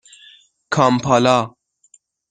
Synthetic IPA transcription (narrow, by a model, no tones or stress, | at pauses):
kʰaːmpʰaːlaː